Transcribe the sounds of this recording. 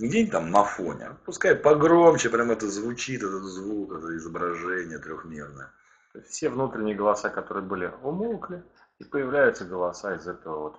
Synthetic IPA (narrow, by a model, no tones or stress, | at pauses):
dʲenʲt̪amnɐfonʲɪ̰ɐ̰pʊskaɪt̪̚pɐɡɾo̞mt͡ɕɪpɾʲamɛt̪əzvʊt͡ɕit̪ɛt̪ət̪zvukɛt̪əɪzəbɾɐʐɛnʲɪjət̪ɾʲoxmʲernəjə | o̞ɪstʲfsʲevnut̪ɾʲɪnʲɪjəɡəlˠɐsakɐt̪o̞ɾɨjəbɨlʲɪʊmulˠk̪ɨ | ipəjɪvlʲæjʊt̪səɡəlˠɐsaɪzɛt̪əvəvo̞t̪